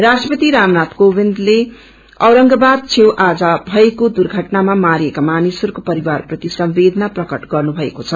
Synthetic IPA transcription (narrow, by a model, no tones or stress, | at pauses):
rasʈrʌpʌt̪iɾamnat̪kobind̪le | ʌwɾʌŋɡʌbad̪̚t͡sʰewʔad͡zʌbʱʌekod̪urɡʱʌʈnamamaɾijekamanisʌrkopʌɾiwarprʌt̪isʌmbed̪ʱʌnaprʌkʌʈɡʌrnubʱʌekot͡sʰʌ